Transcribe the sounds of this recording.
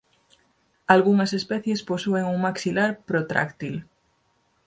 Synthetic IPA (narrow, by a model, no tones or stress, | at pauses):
alɣuŋɐsespɛθjesposueŋuŋmaksilaɾpɾot̪ɾa̰kt̪il